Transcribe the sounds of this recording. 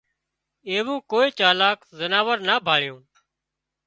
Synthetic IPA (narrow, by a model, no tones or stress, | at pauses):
eːʋõːkoːeːt͡ʃaːlaːkzənaːʋəɾnaːbʱaːɭjõː